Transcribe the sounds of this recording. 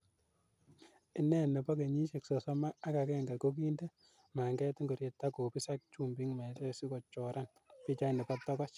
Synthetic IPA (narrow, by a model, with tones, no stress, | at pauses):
i˦nɛ˦nɛ˨bɔ˦ke˨ɲi˦ʃe˨ksɔ˨sɔ˦maː˦ka˨kɛ˦ŋɡa˨ko˦k̬i˦nde˦ | ma˨ŋɡɛ˦ti˦ŋɡo˨ɾje˨tːa˦ko˨pi˦sa˦k̚t͡ʃu˦mbi˦ŋmɛ˨tɛ˦si˦ko˨t͡ʃɔ˨ɾʔa˦n | pi˦t͡ʃa˦nɛ˨pɔ˦tɔ˦kɔ˦t͡ʃ